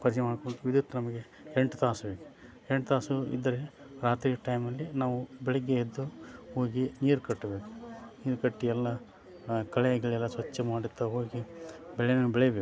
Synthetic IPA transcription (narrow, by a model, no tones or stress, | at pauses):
pɐɾd͡ʒɛmaːɖkoɳʈuʋid̪ut̪ːɐnɐmɐɡe̞ | eɳʈut̪aːsɐbe̞ːku̥ | eɳʈt̪aːsuḭd̪ːɐɾeɾaːt̪ɾiːʈɐjmɐlːinaːʋubɛɭɛɡːeed̪ːuhoːɡiniːɾkɐʈːɐbe̞ːku̥niːɾkɐʈːiɛlːɐ | kɐɭɛjɐɡɐɭɛlːɐsʋɐt͡ʃːɛmaːɽit̪ːɐɦo̞ːɡibɛɭɛjnɐbɛɭɛjɐbeːk